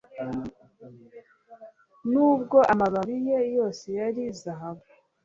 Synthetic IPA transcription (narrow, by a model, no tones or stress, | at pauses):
nuːb̚ɡo̞ʔamaβaβije̞jo̞ːse̞jaɾizaɦaβu